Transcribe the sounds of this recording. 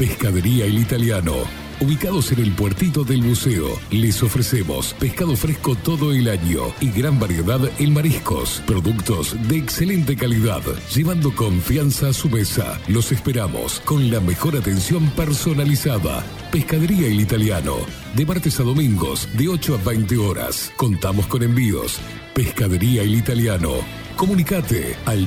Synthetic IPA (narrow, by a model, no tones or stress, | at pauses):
peskað̞eɾiaelit̪aljano̰ | uβikaðosenelpweɾt̪it̪oðelmuseo̰lesofɾesemo̰speskaðofɾeskot̪oðoelaɲo̰iɣɾambaɾjeðaðelmaɾisko̰spɾoðukt̪ozðeːkselent̪ekaliða̰ðʒ̥eβand̪okoɱfjansaːsumesa̰losespeɾamo̰skonlamexoɾat̪ensjo̞mpeɾsonalisaða̰ | peskaðeɾiailit̪aljano̰ | d̪emaɾt̪esaðo̞mĩŋɡo̰z̥d̪eot͡ʃoaβɛjnt̪eoɾa̰skont̪amosko̞nẽmbio̰s | peskaðeɾiailit̪aljano̰ | ko̞munikat̪ḛal